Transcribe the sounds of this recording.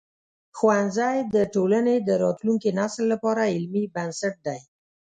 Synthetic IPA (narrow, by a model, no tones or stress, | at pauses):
xwanzajd̪əʈolaned̪əɾɑt̪luŋkinaslːapɑɾaɪlmibansaʈ̚d̪aj